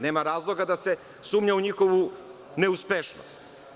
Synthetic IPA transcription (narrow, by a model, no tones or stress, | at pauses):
ne̞ːmaɾaːzlˠo̞ɡad̪ase̞ | suːmɲauɲixo̞ʋu | ne̞uspeʃno̰st̪